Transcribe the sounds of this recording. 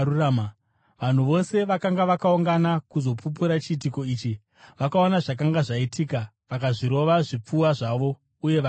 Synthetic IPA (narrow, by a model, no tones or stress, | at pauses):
uram | ʋan̤uʋo̞se̞ʋakaŋɡaʋakauŋɡanakuzo̞pup̬uɾat͡ʃiitiko̞iːt͡ʃi | ʋakaonaʐak̬aŋɡaʐaitʰiːka | ʋakaʐiɾo̞ʋaʐip͡fuwaʐaʋo̞ | uje̞ʋ